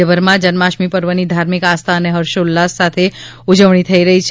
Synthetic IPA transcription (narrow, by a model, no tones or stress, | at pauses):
əbəɾmãd͡ʒənmaʃmipəɾʋənid̪ʱaɾmikast̪ʰaəneɦəɾʃolːasːat̪ʰe | ud͡ʒəʋɳ̃it̪ʰəiɾəɦit͡ʃʰ